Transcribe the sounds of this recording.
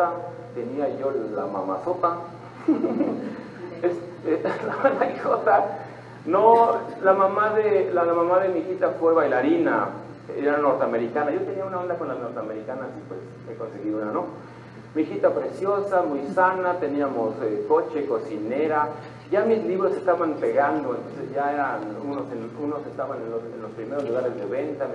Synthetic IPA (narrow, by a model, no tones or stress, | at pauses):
a | t̪eniajolama̰ma̰sot̪a | es | elamamaisot̪a | nolamamaðelalmamaðemixit̪afweβajlaɾina̰ | eɾanoɾt̪eameɾikanajot̪eniaunaond̪akonlanoɾt̪eameɾikanasipwḛsmekonseɣiunano | mixit̪apɾesjosamujsanat̪eniamosekot͡ʃekosineɾa | ʝamisliβɾosest̪aβampeɣand̪oent̪onsesʝaeɾanunosenunosest̪aβanenosenlospɾimeɾozluɣaɾezðeβent̪a